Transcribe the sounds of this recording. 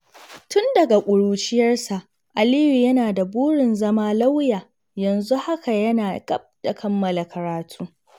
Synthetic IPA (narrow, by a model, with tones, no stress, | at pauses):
tʊ˦ndɐ˨ɡa˨kʷʼʊ˨ɽuː˨t͡ʃɪ˦jɐ˦rsa˨ʔ | ʔa˨liː˦ju˨jɐ˦naː˨da˨buː˦ɽɪ˨nzɐ˦maː˦la˦wjaː˨ | jɐ˨nzu˦ha˦ka˨jɐ˦naː˨ɡʼɐ˦b̚d̥a˨kʰɐ˦mːɐ˨la˨kɐ˨ɾaː˨tʰuː˦